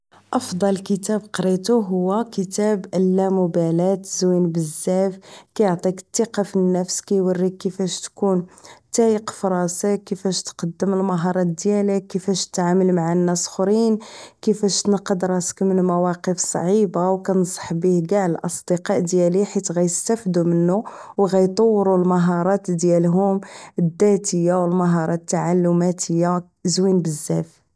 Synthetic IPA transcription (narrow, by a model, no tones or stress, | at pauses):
ʔɑfd̪ˤɑlkət̪æbqɑɾit̪uɦʊwːækət̪æbʔəlːæmʊbælæt̪zwinbəzːæfkæjoʕt̪ˤikət̪ːiqɑfinːəfskæjwərːikəfæʃt̪kunt̪æjəqfɑɾˤɑsəkəfæʃt̪qɑd̪ːəməlməɦɑɾˤɑt̪d̪jælikəfæʃət̪ʕaməlmaʕanːæsxɾinkəfæʃt̪nɑqəd̪ɾˤɑskmənmæwɑqəfsˤɑ̰ʕibawkænsˤɑ̥ħbihɡaʕləlʔɑsˤd̪̥əqɑʔd̪jæliħit̪ɣæjəst̪æfd̪umənːu | wɣæjt̪ˤɑwːɾulmɑɦɑɾˤɑt̪d̪jælɦʊməd̪ːæt̪əjːawəlməɦɑɾˤɑt̪t̪ːaʕalːʊmæt̪ʰəjːa | zwinbəzːæf